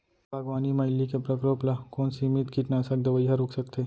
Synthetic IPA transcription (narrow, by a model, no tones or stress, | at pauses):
baɡʋaːnimɐɪlːikepɾɐkɾoːplakɔːnsimit̪kiʈnaːsək̚d̪ɐʋəjɦaɾoːksɐkt̪eː